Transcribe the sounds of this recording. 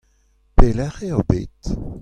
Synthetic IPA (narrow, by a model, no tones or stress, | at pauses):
pelɛʁeobḛːt